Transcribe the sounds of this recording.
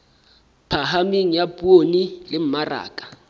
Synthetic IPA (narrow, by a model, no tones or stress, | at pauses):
pʰaɦamiŋ̩japʼuonilɪm̩mara̰ːkʼḁ